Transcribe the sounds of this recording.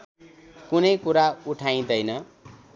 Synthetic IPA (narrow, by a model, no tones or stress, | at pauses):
kunʌjkuɾauʈʰaj̃d̪ʌjnʌ